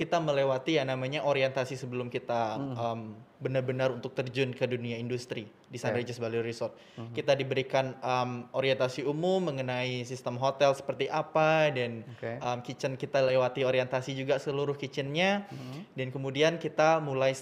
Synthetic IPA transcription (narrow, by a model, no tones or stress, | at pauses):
kit̪aməlewat̪ijanamaɲaʔoɾiɛnt̪asisəbəlʊmkit̪aəmbənarbənaɾunt̪ʊk̚t̪ərd͡ʒʊnkəduniaindust̪ɾi | disaɾed͡ʒəsbaluɾisɔrt̪̚ | kit̪adibəɾikanəmoɾiɛnt̪asiumʊmːəŋənaisist̪əmɦot̪ɛlsə̥pərt̪iʔapadanəmkit͡ʃənkit̪alewat̪ioɾiɛnt̪asid͡ʒuɡasəluɾʊhkit͡ʃɪnɲadankəmudiankit̪amulaj